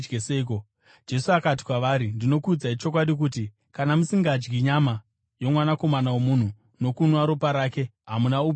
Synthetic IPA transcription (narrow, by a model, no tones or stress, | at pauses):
ɡeseiko | d͡ʒe̞suakat̬i̥kwaʋaːɾindino̞kud͡zait͡ʃo̞kwaɗik̬uːti | kanamusiŋɡad͡ʒɡiɲama | jo̞mwanako̞manawomun̤u | no̞kunwaɾopaɾaːke̞ɦamunau